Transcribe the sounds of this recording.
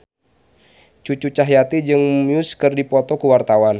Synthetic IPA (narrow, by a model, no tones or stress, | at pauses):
t͡ʃut͡ʃut͡ʃaɦjat̪id͡ʒɨŋmuskɨrdipɔt̪ɔkuwart̪awan